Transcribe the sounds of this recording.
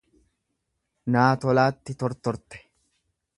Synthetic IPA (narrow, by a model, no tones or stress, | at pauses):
naːt̪ɔlaːt̪ːɪt̪ɔɾt̪ɔɾt̪ɛ̥